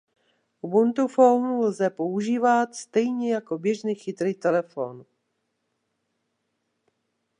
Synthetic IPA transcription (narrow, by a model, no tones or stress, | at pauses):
bunt̪ufownulzɛpo̞uʒiːvat̪st̪ɛjɲɛjako̞bjɛʒniːxɪt̪ɾiːt̪ɛlɛfo̰n